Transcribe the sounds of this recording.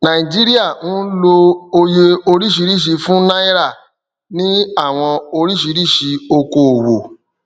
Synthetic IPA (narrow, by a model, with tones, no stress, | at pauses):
nã˨i˨d͡ʒi˦ɾi˦a˦˨ũ˦lo˧o˧je˧o˧ɾi˦ʃi˧˦ɾi˦˨ʃ̬i˧fũ˦na˦i˦ɾa˦˨ | nĩ˦a˦˨w̃ɔ̃˧o˧ɾi˦ʃi˧˦ɾi˦˨ʃi˧o˧ko˧o˨wo˨